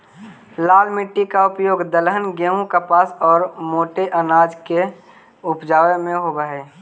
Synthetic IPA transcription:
laːlmɪʈːikaʊpjoːɡd̪əlɦənɡeũkapaːsɔːɾmoːʈeʔənaːd͡ʒke | ʊpd͡ʒaːʋemẽɦobəɦeː

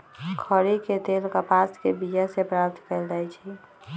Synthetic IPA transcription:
kʰəɾiked̪elkəpaskebid͡ʒasepɾap̚t̪kɛld͡ʒajt͡ʃʰɛ

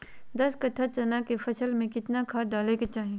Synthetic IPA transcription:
d̪ɐskɐt̪ʰat͡ʃɐnakefɐsəlmẽkɪt̪nakʰaːd̪aːleket͡ʃaːɦẽ

